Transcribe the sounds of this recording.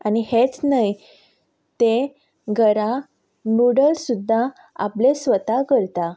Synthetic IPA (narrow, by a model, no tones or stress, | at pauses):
anihet͡snaj | t̪e | ɡʱəɾa | muɽəlsud̪ʱːa | a̰plesʋət̪akəɾt̪a